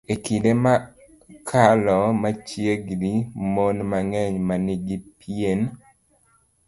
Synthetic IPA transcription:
ekidema | kʰalɔmat͡ʃjeɡdimonmaŋɛɲmaniɡipien

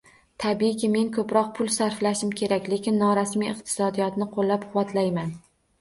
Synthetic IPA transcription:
t̪ʰabikʲɪme̞ŋkʰɵpɾɒq̚pʰʊlˠsaɾflaʃɪmkʲʰe̞ɾakʲle̞kʲɪnːɒɾasmijɨqt̪ʰɪ̥sɒd̪ijɒt̪nɪqʰolːap̚qʰʊwɒt̪ʰlajman

